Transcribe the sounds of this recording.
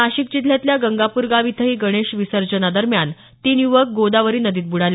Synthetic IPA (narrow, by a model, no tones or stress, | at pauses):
aɕik̚d͡ʑit̪ʰljat̪ljaɡəŋɡapuɾɡaʋit̪ʰəɦiːɡəɽ̃eɕʋisəɾd͡ʑənad̪əɾmjan | t̪iːnjuʋək̚ɡod̪aʋəɾiːnəd̪iːt̪̚buɽal